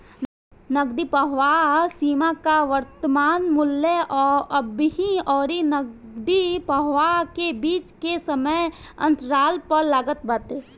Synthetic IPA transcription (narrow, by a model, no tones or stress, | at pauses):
nəɡd̪ipəɦʋasiːmakaʋəɾt̪əmaːnmʊlːəʔɔːɾɐbɦĩɔːɾinəɡd̪ipəɦʋakebiːt͡ʃkesəməjə̰̃nt̪ɾaːlpəɾlaːɡət̪̚bəːt̪eː